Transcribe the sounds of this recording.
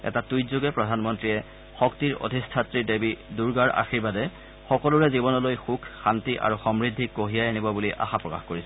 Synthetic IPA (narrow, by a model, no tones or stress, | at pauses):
ɛ̰tatujzoɡɛpɹɔdʱanmɔntɹiɛ | xɔktiɹo̰dʱistʰatɹidebiduɹɡaɹʔa̰xiɹbadɛ | xɔkɔluɹɛzibɔnɔlojxukʰxantiʔa̰ɹuxɔmɹidʱːikoɦijajanibɔbuliʔa̰xapɹɔkaxkoɹisɛ